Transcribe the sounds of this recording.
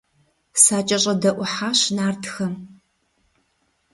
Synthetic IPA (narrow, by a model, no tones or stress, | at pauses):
saːt͡ʃʼɐɕʼɐdɐʔʷʊħaːɕnaːrtʰxɐm